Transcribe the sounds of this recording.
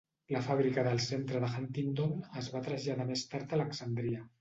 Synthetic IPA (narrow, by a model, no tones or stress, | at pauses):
ləfaβɾikəðəlˠsent̪ɾəðəxant̪ind̪oməzβat̪ɾəʒaðəmest̪aɾt̪ələksand̪ɾia